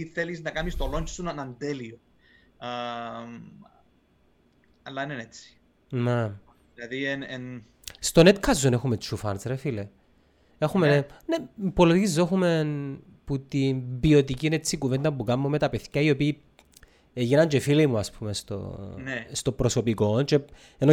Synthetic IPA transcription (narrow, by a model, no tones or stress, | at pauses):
iθeliznɐkɐnist̪oloɲt͡ʃsunɐnɐnd̪elio | m | ɐlːɐinenet͡si̥ | nem | ilɐðienen | st̪onet̪kʰɐzːonexumet͡ʃːufɐnt͡sɾefile | exumenepolot̪izːoxumen | put̪inbio̞t̪icinet͡sːikuvend̪ɐmpukɐmːomet̪ɐpeθçɐio̞piː | eʝinɐɲt͡ʃefilemuɐspumest̪o̰nest̪o̞bɾoso̞piko̞nt͡ʃe | eno